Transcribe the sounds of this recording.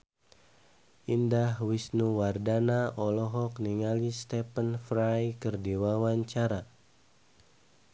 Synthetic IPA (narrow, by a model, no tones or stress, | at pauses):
ʔindahwisnuwardanaʔɔlɔɦɔkniŋalist̪ɛpənfɾajkərdiwawaɲt͡ʃaɾa